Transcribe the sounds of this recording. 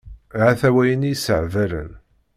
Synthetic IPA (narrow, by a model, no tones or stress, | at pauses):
ʕaθæwæjənijisəʕvæɾə̰n